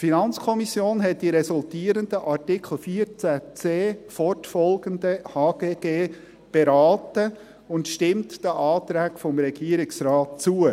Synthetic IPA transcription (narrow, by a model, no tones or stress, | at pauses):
tfinɑnt͡skʰɔmisjoːnɦɛtd̥iɾɛsʊltiːəɾəndəʔɑɾtikʰl̩ˠfiəɾt͡sæt͡seːfɔɾtfɔlɡ̥əndəhɑːɡ̥eːɡ̥eː | b̥eɾɑːtə | ʊntʃtɪmtd̥əʔɑːt̪ɾæːkfɔmɾɛɡ̥iəɾɪksɾɑːt̚t͡suə